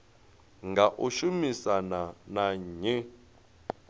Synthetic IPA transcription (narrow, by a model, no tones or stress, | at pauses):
ŋɡaʔuʃumisananaɲɛ